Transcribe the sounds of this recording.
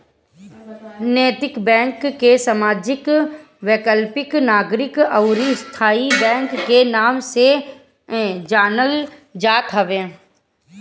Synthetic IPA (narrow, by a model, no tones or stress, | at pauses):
nɛːt̪ɪkbɛ̃ːŋkːesəmaːd͡ʒɪk | ʋeːkəlpɪknaːɡɾɪkəʊɾist̪ʰaːibɛ̃ːŋkːenaːmse | d͡ʒaːnəld͡ʒaːt̪ɦəʋẽː